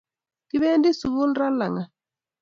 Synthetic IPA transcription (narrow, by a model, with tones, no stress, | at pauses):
ki˦βɛ˦ndi˦su˨βu˦n˦ɾa˦la˨ŋa˨